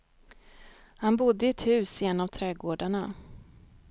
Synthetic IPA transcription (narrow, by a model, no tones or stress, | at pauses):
hanbʊd̪ːəɪɛt̪hʉ̟ːsɪɛnːavt̪ʰɾɛɡoːɖaɳa